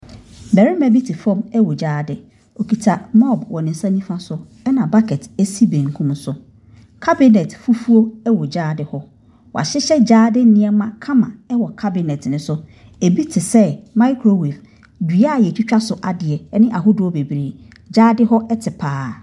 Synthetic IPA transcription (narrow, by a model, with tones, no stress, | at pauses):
bɛ˨ɾɪ˦mæ̃˨bi˦tʰi˨fɔ̃˦mɛ˦wɔ˨d͡ʑaː˦dɪ˨ | o˨kʰi˨tʰa˨mɔ˦˨bwɔ˨nɪ̃˨n̩˨sã˦nĩ˦fã˦sʊ˦ | ɛ˦nã˨ba˦kʰɛ˨tʰɛ˦si˦bẽ˨ŋ˨kʰʊ̃˦msʊ˨ | kʰa˦bɪ˦nɛ˨tfu˦fu˦o˦ɛ˦wɔ˨d͡ʑaː˦dɪ˨hɔ˦ | wɔ̰˨a̰˨ɕɪ˦ɕɛ˦d͡ʑaː˦dɪ˦nɪ̃˦ɛ˦mã˦kʰã˦mã̰˨ɛ˦wɔ˨kʰa˦bɪ˨nɛ˨tʰnɪ̃˨sʊ˦ | e˨bi˦tʰɪ˨sɛ˦mã˦ɪ˦kʰɾo˨wɛ˨f | di˨a˦a˨jɛ˨t͡ɕʰᶣi˦t͡ɕᶣa˦sʊ˨ʔa˨dɪ˨ɛ˨˦nɪ̃˦ʔa˨ɦʊ˦dʊ˨ɔ˦be˨bɾeː˨ | d͡ʑaː˦dɪ˦ɦɔ˦ɛ˦tʰɪ˨pʰaː˦